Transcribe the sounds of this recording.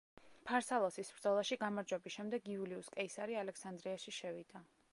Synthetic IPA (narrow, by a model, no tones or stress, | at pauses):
pʰaɾsalˠɔsisbɾd̪zɔlˠaʃiɡamaɾd͡ʒwɛbisʃɛmd̪ɛɡiuliuskʼɛisaɾialɛksand̪ɾiaʃiʃɛvid̪a